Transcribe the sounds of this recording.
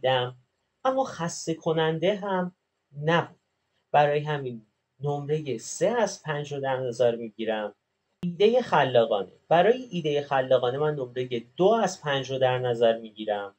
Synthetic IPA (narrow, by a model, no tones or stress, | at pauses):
d̪æm | æmːɒːxæst̪e̞kʰo̞nænd̪e̞ɦæm | næbuːd̥̪̚ | b̥æɾɒːjeɦæminː | omɾe̞je̞se̞æzpʰænd͡ʒɾod̪æɾnæzæɾmiːɟiːɾæm | iːd̪e̞je̞xælːɒːɣɒːne̞̰b̥æɾɒːjeʔiːd̪eje̞xælːɒːɣɒːne̞mænːomɾe̞je̞d̪oæzpʰænd͡ʒɾod̪æɾnæzæɾmiːɟiːɾæm